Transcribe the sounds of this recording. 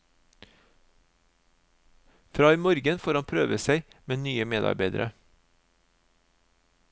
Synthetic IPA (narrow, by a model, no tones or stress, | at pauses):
fɾɑːiːmɔɾɡənfoːɾhɑnpʰɾøːʋəsæɪmeːnyːəmeːd̪ɑ̰ɾbeɪd̪ə̰ɾʔə